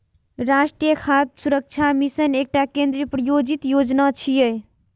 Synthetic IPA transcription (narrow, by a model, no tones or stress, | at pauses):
ɾasʈɾijəkʰat̪suɾək̚t͡ʃʰamisənek̚ʈakẽnd̪ɾiəpɾəjod͡ʒit̪jod͡ʒnat͡ʃʰije